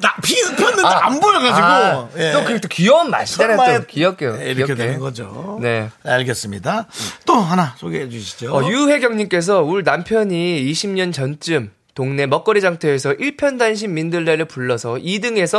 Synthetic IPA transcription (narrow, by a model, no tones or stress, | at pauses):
apiɯpʰjʌnːɯa̰nboɭɡad͡ʑiɡojeokɯt͈okiʌnma̰ɕʰidaɾaekijʌk͈ejoiʌkedkennɡʌd͡ʑo̰ne̞aɭɡes͈ɯmɲidat͈oɦanasʰoɡeɦed͡ʑuɕʰi̥d͡ʑoʌjuhe̞ɡjʌŋɲimk͈e̞s̬ʰʌuɭnampʰjʌɲiːɕʰimɲʌnt͡ɕʌnt͡ɕ͈ɯm | toŋne̞mʌk͈ʌɾid͡ʑaŋtʰeesʰʌʔiɭpʰjʌndanɕ̬ʰimmindɯɭːeɾɯɭpuɭːʌsʰʌidɯŋe̞sʰʌ